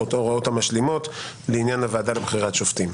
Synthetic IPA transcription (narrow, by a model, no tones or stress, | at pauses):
ot̪o̞ʁao̞thamaʃlimo̞t̪leinjanhavaːdalebχiʁatʃoft̪im